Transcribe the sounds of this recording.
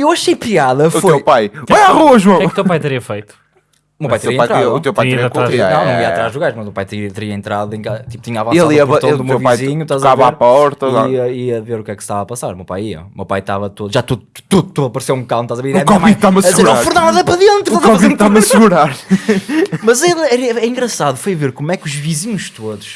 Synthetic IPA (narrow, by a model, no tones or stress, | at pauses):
ewɐʃejpiaðɐufoewpajaaʁuɐʒwɐ̃wɛ̃uut̪ewpajt̪ɨɾiɐfejt̪u̥ | mewpajt̪ɾeiɐ̃pajt̪ɾaiut̪ewp̪ajiɐɐtkaɾiaɐ̃wnɐ̃iɐaɾazʒlˠuɣaɾʃmɐzmewpajt̪iɐt̪ɨɾiɐẽnt̪ɾaðuẽkazɐt̪iput̪iɲavɐ̃sel̃ˠiɐapɾɐt̪ɐ̃d̪umewvajziɲut̪azɐkavaɾpɔɾt̪ɐiɐiɐveɾukɛkst̪avapɐsaɾumewpa̰jiɐ̰umḛwpajt̪avɐt̪oðuʒat̪uðu | t̪uðut̪oɐpɐɾsewũkãw̪̃t̪azɐveɾiðɛkɔmaiðt̪amɐsɾãfuɾnãzɛpɾɐðẽnt̪ɾkɔviðt̪amɐsɨɣuɾaɾ | mɐzelˠɛɾɐɛĩŋɡɾɐsaðufojveɾkomwɛkuʒviziɲuʃt̪oðuʃ